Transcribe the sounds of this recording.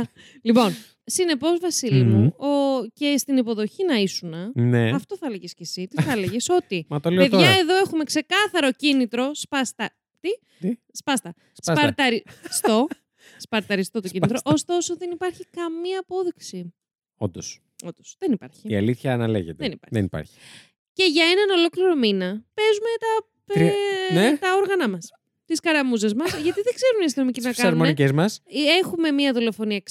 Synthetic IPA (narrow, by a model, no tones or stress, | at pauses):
lipo̞n | sine̞po̞zvɐsilimuoce̞st̪inipo̞ðo̞çinɐisunɐneɐft̪oθɐleʝesce̞sit̪iθɐleʝeso̞t̪imɐt̪olee̞ðʝɐe̞ðo̞e̞xume̞kse̞kɐθɐɾo̞cinit̪ɾo̞spɐst̪ɐ | t̪i | spɐst̪ɐ | sspɐɾt̪ɐɾist̪o̞ | spɐɾt̪ɐɾist̪o̞t̪ocinit̪ɾoʔost̪o̞so̞ðe̞nipɐɾçikɐmiɐːpo̞ðiksi | o̰nd̪os | ond̪osðenipɐɾçiiɐ̰liθçɐːnɐlḛʝet̪eenipɐ̰ðenipɐ̰ɾçi̥ | ce̞ʝɐenɐno̞lo̞kliɾo̞minɐpe̞zume̞t̪ɐ | net̪ɐo̞ɾɣɐnɐmɐs | t̪iskɐɾɐmuzezmɐsʝɐt̪iðeɡze̞ɾuniɐs̬ino̞micinɐkɐɐnɾumonicezmɐsexume̞miɐðolo̞fo̞niɐk